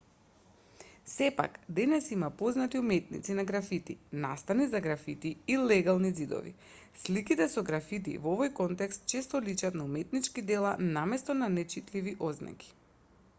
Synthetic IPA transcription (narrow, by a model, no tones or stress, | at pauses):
sɛpa̰kd̪ɛnɛsimapoznat̪iumɛt̪̚nḭt̪sinaɡɾafit̪ina̰st̪anizaɡɾafit̪iilɛɡalˠnizid̪ɔ̰vḭ | slikit̪ɛsɔɡɾafit̪̬ḭvovɔjkɔnt̪ɛkst̪̚t͡ʃɛst̪ɔlit͡ʃat̪naumɛt̪nit͡ʃkid̪ɛlˠanamɛst̪ɔnanɛt͡ʃit̪liviʔozna̰kʲi̥